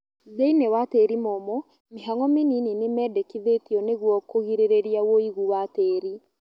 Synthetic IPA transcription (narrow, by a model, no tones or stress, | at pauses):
zeinewateɾimɔmɔ | meɦaŋɔmenininemɛːdɛkiðetiɔneɣwɔkoɣiɾeɾeɾiawoiɣuwateːɾi